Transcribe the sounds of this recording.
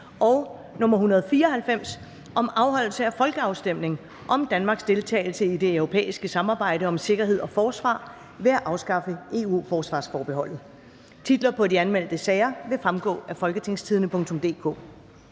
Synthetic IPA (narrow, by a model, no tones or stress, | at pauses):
ʔɒ̽ʊ | nɔ̽mɐɦunɐð̞̩ˠfiːɐɒɦælfem̰s | ʔɒ̽mɑ̈ʊɦɒ̽l̰l̩səæfɒ̽lɡ̥əɑ̈ʊsd̥em̰ne̝ŋ | ʔɒ̽md̥ænmɑ̈ːɡ̥sd̥e̝lt͡sʰɛ̰ːɪl̩səid̥e̝øʊʁo̝pʰḛːisɡ̥əsɑ̈mɑ̈ːb̥ɑ̈ɪ̰ɾəɒ̽mse̝ɡ̥ɐɦe̝ð̞̰ˠɒ̽fɒːsʋɑ̰̈ː | ʋe̝æʔɑ̈ʊsɡ̥ɑ̈fəe̝ːṵːfɒːsʋɑ̈ːsfɒːb̥e̝ɦɒ̽l̰ð̩ˠ | t͡sʰid̥lɐpʰɒ̽diænmel̰d̥əsɛːɪɐʋe̝fʁamɡ̥ɔ̰̽ːæfɒ̽lɡ̥ət͡sʰe̝ŋ̰st͡sʰið̞ˠənəpʰɔ̽ŋ̰t͡sʰɔ̽md̥e̝̰ːkʰo̰̽ː